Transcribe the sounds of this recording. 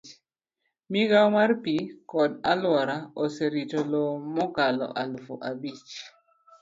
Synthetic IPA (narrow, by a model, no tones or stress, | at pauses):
miɡawmarpikɔdalwaɾaoseɾitolomɔkalɔ̰ʔalfo̰ʔabit͡ʃ